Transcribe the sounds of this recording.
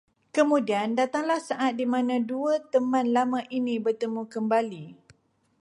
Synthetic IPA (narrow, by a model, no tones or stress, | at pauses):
kəmũdiandat̪aŋlahsaʔat̪̚dimãnãduət̪əmãnlamãʔinĩbərt̪əmũkəmbali